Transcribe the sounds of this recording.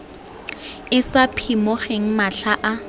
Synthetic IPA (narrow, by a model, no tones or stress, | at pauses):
ɪsapʰimɔχeŋ̩maɬaʔa